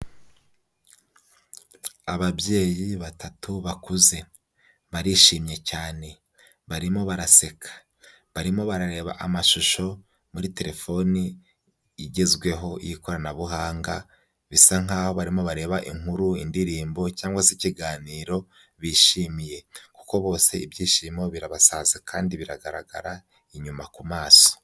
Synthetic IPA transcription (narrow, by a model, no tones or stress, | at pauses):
aβabje̞ːjiβatatuβakuze̞ | βaɾiːʃiːmɲe̞caːne̞ | βaɾimo̞βaɾase̞kʰḁ | βaɾimo̞βaɾaɾe̞ːβa̰ʔamaʃuʃo̞ | muɾite̞ɾe̞fo̞niː | ɟezɡwe̞ɦo̞jiko̞ɾanaβuɦaːŋɡa | βisaŋaːho̞βaɾimo̞βaɾe̞ːβaʔḭŋuɾuindiɾiːmbo̞caːŋɡwasiciɡaːniːɾo̞ | βiːʃiːmije̞ku̥ko̞βo̞ːse̞ibjiːʃiːmo̞βiɾaβasazekʰaːndiβiɾaɡaɾa̰ɡa̰ɾa | iɲumakumaːso̥